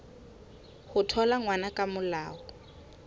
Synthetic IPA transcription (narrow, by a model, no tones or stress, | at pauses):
hʊtʰɔlaŋwanakʼamʊlaːɔ